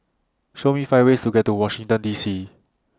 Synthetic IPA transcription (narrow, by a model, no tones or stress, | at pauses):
ʃomifaɪwestuɡɛt̚tːuwɔʃĩŋtə̃ndiːsi